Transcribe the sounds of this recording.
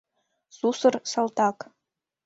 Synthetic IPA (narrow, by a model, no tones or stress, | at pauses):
z̥usɨrsalˠt̪ʰakʼ